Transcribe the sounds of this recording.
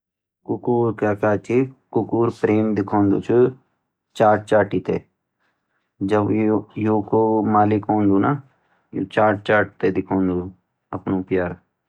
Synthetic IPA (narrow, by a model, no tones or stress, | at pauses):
kʊkuːɾkaːkaːt͡ʃikʊkuːɾpɾeːmd̪ɪkʰoːnd̪o̰t͡ʃʰu | t͡ʃaːʈ̚t͡ʃaːʈiːt̪ḛː | d͡ʒəbjoːkomaːlɪkõːnd̪uːnaː | jo̰t͡ʃaːʈ̚t͡ʃaːʈ̚t̪eːd̪ɪkʰoːnd̪u | ɐpnõːpjaːɾ